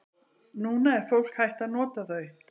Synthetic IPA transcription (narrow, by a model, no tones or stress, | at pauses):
nuːnaɛɾ̥fowl̥khajht̪aðnɔːt̪aθœɥ